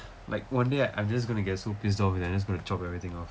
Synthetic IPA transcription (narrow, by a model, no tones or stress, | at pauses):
la̰ɪk̚wãndeaʔã̰ɪ̃md͡ʒas̬ɡonuɡɛtsopis̬dɔfwɪdãɪ̃d͡ʒəs̬ɡõnut͡ʃɔpɛvɹit̪ɪ̃ŋɔf